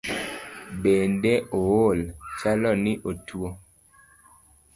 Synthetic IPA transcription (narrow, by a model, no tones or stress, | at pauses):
bendeʔowolt͡ʃalɔniʔotuwo